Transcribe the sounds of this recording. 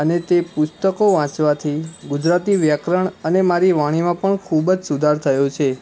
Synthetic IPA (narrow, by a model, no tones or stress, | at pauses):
ənet̪epʊst̪əkoʋãt͡ʃʋat̪ʰiɡʊd͡ʒɾat̪iʋjəkɾəɳənemaɾiʋaɽ̃imãpəɳkʰubd͡ʒsud̪ʱaɾt̪ʰəjot͡ʃʰe